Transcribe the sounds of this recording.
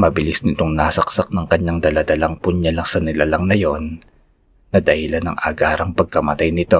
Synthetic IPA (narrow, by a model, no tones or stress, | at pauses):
mɐbɪlɪsnɪt̪o̞ŋnaːsɐk̚sak̚nɐŋkɐɲːaŋd̪ɐlad̪ɐlɐŋpʊɲalɐŋsɐnɪlalɐŋnɐjo̞nː | ɐd̪ɐhɪlanɐ̰ŋʔɐ̰ɡaːɾɐŋpɐɡ̚kɐmɐt̪ajnɪt̪o̞